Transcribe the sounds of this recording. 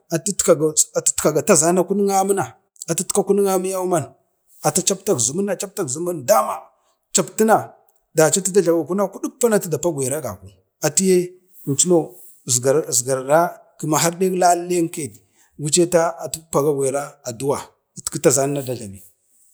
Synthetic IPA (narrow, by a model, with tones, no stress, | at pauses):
a˨tta˨a˨ttka˨ɡa˨ta˦za˦na˦ku˦ni˦ŋa˦mə˦na˨ | a˨ti˦tka˦ku˦n˦ŋa˦mi˦ja˦ma˦n | a˨ta˦t͡ʃa˦pta˦ɡzu˨mu˦na˨t͡ʃa˦p̚ta˦ɡzu˨mu˦nda˦ma˨ | t͡ʃa˨pti˦na˨ | da˨t͡ʃa˦ti˦da˦ɮa˨wa˨ku˦na˦ku˦du˦pːa˦na˦ti˦da˨pa˦ɡʷe˨ɾa˦ɡa̰˨ku˨ | a˨ti˦je˦˨ | nt͡ʃi˦no˦˨ | zɡa˨zɡa˨ɾɾa˦ | ki˨ma˨ɦa˦ɾɗe˦kla˦e˦ke˨d | ɡu˦t͡ʃe˦ta˦a˨tu˦pa˨ɡa˦ɡʷe˨ɾa˦a˨du˦wa˨˦ | tki˦ta˦za˦na˦na˦da˨ɮa˨mi˨